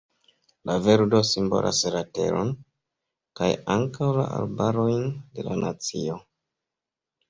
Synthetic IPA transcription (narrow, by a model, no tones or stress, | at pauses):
laveɾdo̞simbo̞̰lʔa̰sɾate̞̰ɾo̞n | kajaŋkawla̰a̰lbaɾo̞jnde̞lanat͡sio̞